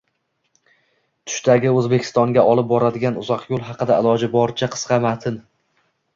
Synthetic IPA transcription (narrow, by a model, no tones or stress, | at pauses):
t̪ʰʊ̥ʃt̪aɡʲɪɵzbekʲʰɪ̥st̪ɒŋɡʲaʔɒlˠɪp̚bɒɾad̪ɪɡʲanʊzɒqjolˠɦɑqɨd̪aɪlˠɒd͡ʒɪbɒɾt͡ʃʰaqʰɨ̥sqɑmat̪ʰɪn